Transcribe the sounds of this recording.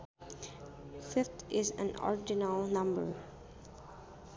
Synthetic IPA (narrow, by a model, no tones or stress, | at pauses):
fɪft̪ʰɪzæ̰̃nɔ̰ɹd͡ʒɪnəlˠnʌ̃mbə̰˞